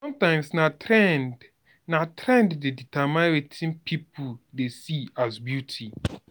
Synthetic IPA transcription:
sɔ̃mtãɪ̃msnatɾɛnd | natɾɛ̃nddeditʰamãwetʰĩnpʰipudesiazbjutʰi

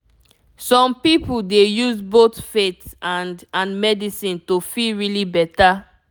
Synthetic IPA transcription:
sɔ̃mpipuldejuzbotfetãndãnmɛdisĩntofilɹilibɛta

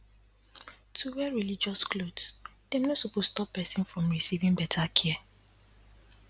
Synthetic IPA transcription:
tʰuwɛɹilid͡ʒɔsklodsd̥emnosopostɔpːɛsĩnfɹɔ̃mɹisivĩŋbɛtʰakʰiɛ

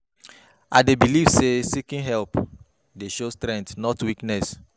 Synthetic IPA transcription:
adebiliv̥sesikĩnɦɛlp | deʃostɾɛ̃ntnɔtwiknɛs

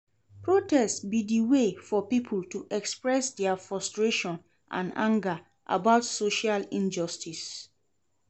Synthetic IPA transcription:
pɹotɛstbidiwefɔpipʰultuʔɛkspɹɛsdɛafɹɔstɹeʃɔ̃n | ʔã̰nã̰ŋɡa | ʔa̰baʊtsoʃalĩnd͡ʒɔstʰis

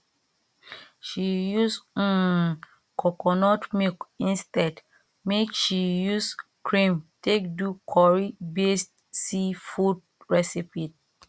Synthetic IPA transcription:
ʃijus̩ | kʰɔkɔnɔtmikĩnstɛd | mekʃijuskʰɹĩmtek̚dukʰɔɹibest | sifud̚ | ɹɛsipit̚

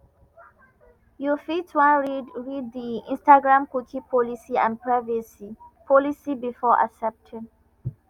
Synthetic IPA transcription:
jufitwãnɹid̚diḭ̃nstaɡɹãmkukʰĩpʰɔlisiã̰npʰɹavisipʰɔlisibifɔʔa̰sɛp̚tʰĩn

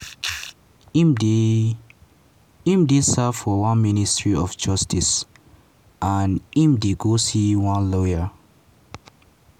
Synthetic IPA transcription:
ĩmdisɛfɔwãnministʰɹiɔfd͡ʒʌstʰis | ʔãnĩmdiɡosiwãnlɔjə

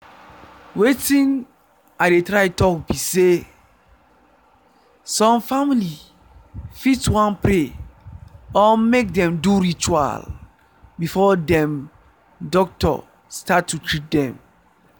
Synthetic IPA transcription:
wetĩn | aɪdetɹaɪtɔkbise | sɔ̃mfamili | fitwãnpɹe | ɔmek̚dɛ̃mduɹit͡ʃua̰l | bifɔdɛ̃m | dɔk̚tɔ̰ | statʰːutʰɹit̚dɛ̰̃m

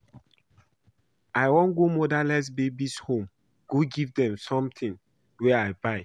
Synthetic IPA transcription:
aɪwɔ̃nɡomɔdalɛs̬bebishõm | ɡ̥oɡivdɛ̃msɔ̃mt̪ʰĩŋ | wɛaɪbaɪ

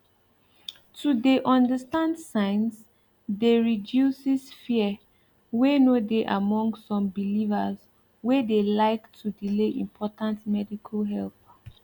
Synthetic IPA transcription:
tʰudeʔɔ̃ndəstãndsãɪ̃ns | deɹidjusisfiə | wenodeʔamɔ̃ŋɡsɔ̃mbilivəz | wedelaɪktʰudileʔḭ̃mpʰɔtãntmɛdikʰəlɦɛlp

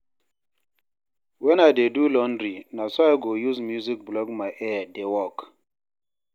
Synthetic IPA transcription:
wɛ̃najdedulɔ̃ndɾinasɔajɡojuzmjuzik̚blɔɡmajʔɛadewɔk

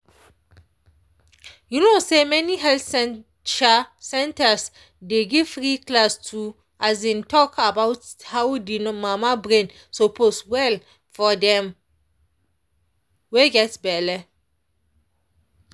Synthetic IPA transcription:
junosemɛniɦɛltɛ | t͡ʃasɛ̃ntas | deɡiv̥fɹiklastʰu | asẽntʰɔkʰabawthawdinmamabɹẽn | sopʰoswɛl | fɔdɛ̃m | weɡɛtbɛla

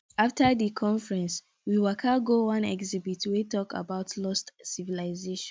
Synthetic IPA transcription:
aftədikʰɔ̃ɱfɹɛ̃ns | wiwakʰaɡowãnɛ̰ɡzibitʰwetɔka̰baʊtʰlɔstsivilaɪzeʃɔ̃n

